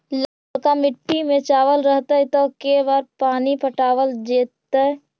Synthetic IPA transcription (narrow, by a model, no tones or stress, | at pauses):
laːlkamɪʈːimẽt͡ʃaːʋəlɾəɦt̪aɦɛt̪ɔkebaːɾpaːnipəʈaːwəld͡ʒeːt̪ːaɦɛ